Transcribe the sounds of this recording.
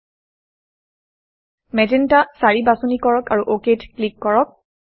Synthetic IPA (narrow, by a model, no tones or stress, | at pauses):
mɛdintasaɹibasunikɔɹɔkaɹuʔoketklikːɔɹɔk̚